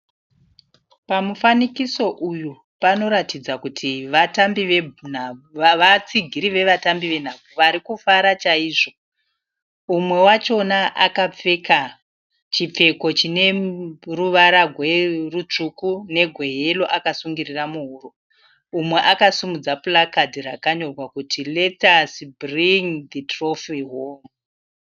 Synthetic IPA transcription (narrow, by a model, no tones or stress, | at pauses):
pamufanikiso̞ʔuju | pano̞ɾatid͡zakutʰiʋatambiʋe̞bunaʋat͡siɡʱiɾiʋe̞ʋatambiʋe̞n̤avuʋaɾikufaɾat͡ʃaiːʐo̞ | umwe̞wat͡ʃo̞naʔakap͡fe̞ka | t͡ʃip͡fe̞ko̞t͡ʃine̞ruʋaɾaɡʱwe̞rut͡ʂukune̞ɡʱwe̞ɦe̞lo̞ʔakasuŋɡiriramuɦuːro̞ | umwe̞ʔakasumud͡zapulakadirakaɲo̞rwakutile̞tasbriŋd̪itrofiɦom